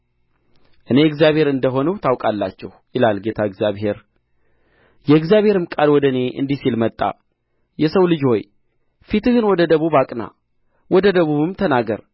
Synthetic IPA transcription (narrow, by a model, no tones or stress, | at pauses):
ʔɨneɨɡzjaβhe̞ɾɨnd̪əɦo̞nuwt̪ʰawkʼalːa̰t͡ʃːɛhjɪlalɡe̞t̪ʰaɨɡzjaβɦe̞ɾ | jɛɨɡzjaβhe̞ɾɨmkʼalwɔd̪əne̞ʔɨ̰nd̪isilmət̪ʼːa̰ | jɛsəwlɨd͡ʒho̞j | fit̪ɨɡɨnwɔd̪əd̪əβuβakʼna̰ | wɔd̪əd̪əβuβɨmt̪ʰənaɡəɾ